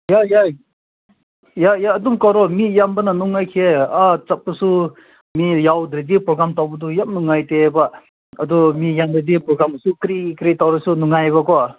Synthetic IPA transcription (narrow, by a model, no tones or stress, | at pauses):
jaja | jajaːdumkɔɾɔmijambananuŋːajkʰeat͡sap̚ːasu | mijawdɾedipɾɔɡɾamtawbɐdujap̚nuŋːajteba | ɐdɔmijamdɾedipɾɔɡɾamɐsukɾikɾitawɾasunuŋajβakɔ